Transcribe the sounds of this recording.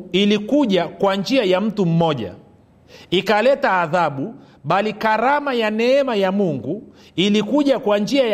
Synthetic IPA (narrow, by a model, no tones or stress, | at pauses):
ilikuʄakwand͡ʒiajam̩tum̩mɔʄa̰ | ikalɛtaːðaɓuɓalikaɾamajanɛɛmajamuŋɡu | ilikuʄakwand͡ʒiaja